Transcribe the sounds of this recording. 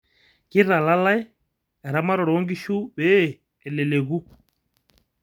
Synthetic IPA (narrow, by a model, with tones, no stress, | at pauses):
ki˦ɾa˨la˦la˦ɛ˦ | ɛ˨ɾa˨ma˦ɾɔ˨ɾɔ˨˦ŋɡi˦ʃu˦ɓɛː˦˨ | lɛ˨lɛ˨ɣu˦